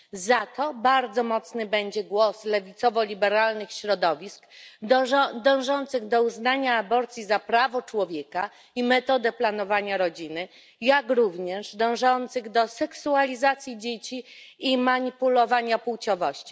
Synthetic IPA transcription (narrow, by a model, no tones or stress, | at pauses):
zat̪ɔbaɾd̪zɔmɔt̪snɘbɛɲd͡ʑɛɡwɔslɛvʲit̪sɔvɔlʲibɛɾalnɘxɕɾɔd̪ɔvʲisk | d̪ɔ̃w̃ʐɔnt̪sɘɣd̪ɔuznaɲaːbɔɾt̪sʲjizapɾavɔt͡ʂwɔvʲjeka | imɛt̪ɔd̪ɛplanɔvaɲaɾɔd͡ʑinɘ | jakɾuvɲɛʐd̪ɔ̃w̃ʐɔnt̪sɘɣd̪ɔsɛksualʲizat̪sʲjid͡ʑet͡ɕiːmaɲipulɔvaɲapuwt͡ɕɔvɔɕt͡ɕi̥